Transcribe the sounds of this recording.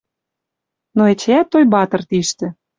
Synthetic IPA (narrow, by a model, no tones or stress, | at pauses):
noet͡ɕeæt̪ːojbɑt̪ɤ̆rt̪iʃt̪ĕ